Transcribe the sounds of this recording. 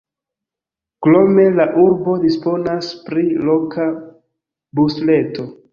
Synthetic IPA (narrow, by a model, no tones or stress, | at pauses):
klo̞me̞laʔuɾbo̞dispo̞naspɾilo̞ka | busle̞to̞